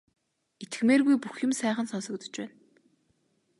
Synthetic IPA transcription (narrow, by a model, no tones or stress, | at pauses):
et̪ɘ̥̆xmeːrɣujpuxjʊ̆msæːχə̆nsɔnsɞ̆kt̪ɞ̥̆t͡ɕpæːn